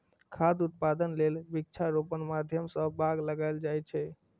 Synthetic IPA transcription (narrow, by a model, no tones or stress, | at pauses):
kʰad̪ut̪̚pad̪ənlelbik̚t͡ʃʰaɾopənmad̪ʱjəmsəbʱaɡləɡajld͡ʒajt͡ʃʰɛ